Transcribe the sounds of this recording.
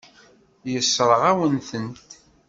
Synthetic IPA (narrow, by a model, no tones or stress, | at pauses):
jəsːɾˤʁawənθənt̪